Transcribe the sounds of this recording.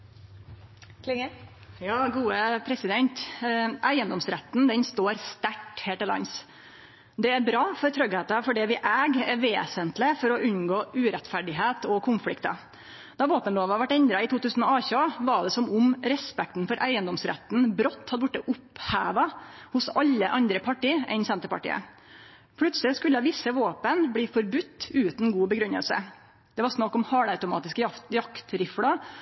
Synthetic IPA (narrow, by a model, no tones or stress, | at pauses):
jɑːɡuːəpʰɾɛsɪd̪ɛnt̪ʔæɪənd̪ɔmsɾɛt̪ːnd̪ɛnst̪oːɾst̪æʈːheːləlɑ̰ns | d̪ɛæɾbɾɑːfɔɾt̪ʰɾœɡhɛːt̪ɑfɔɖɛʋɪʔæːɡæɾʋeːsənt̪lɪfɔɾɔʔʉɲɡoːʔʉːɾɛt̪fæɖɪɦeːt̪ɔkʰʊnflɪ̰kt̪ɑ̰ | d̪̥ɑboːt̪ənloːʋɑʋæʈːɛnd̪ɾɑɪt̪ʰuːt̪ʉːsn̩ɔɑːçɑʋɑɖ̪ɛsɔmʊmɾɛspɛk̚t̪n̩fɔɾʔæɪənd̪ɔmsɾɛ̰t̪n̩bɾɔt̪ːhɑd̪əʋʊʈːəʔʊphæːʋɑhʊsɑʎːəʔɑnd̪ɾəpʰɑʈiːʔɛ̰ɪnsɛnt̪əɾpɑ̰ʈḭːə̰ | pʰlʉt̪slɪskʉlːəʋɪsːəʋoːpənbliːfɔɾbʉt̪ːʉːt̪nɡuːbəɡɾʉnːə̰lsə̰ | d̪̥ɛʋɑɾʂnɑkːɔmhɑːɽɑʉt̪ʊmɑ̰ːt̪ɪskəjɑkt̪ɾɪfɽɑ